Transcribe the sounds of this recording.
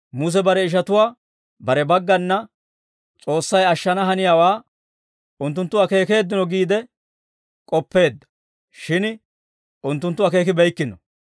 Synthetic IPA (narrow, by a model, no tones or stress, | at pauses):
mʊs̬ɛbɐɾɛɪʃ̬ɐt̪ʊwaː | bɐɾɛbɐɡːɐnːɐ | t͡sʼo̞ːsːɐjɐʃːɐnɐɦɐnɪjaːwaː | ʊnt̪̬ːʊnt̪ːʊwaːke̞ːke̞ːd̪ːɪnɔɡiːd̪ɛ | kʼɔpːe̞ːd̪ːɐ̥ | ʃɪn | ʊnt̪ːʊnt̪ːʊwaːke̞ːk̬ɪbɛjkːɪnɔ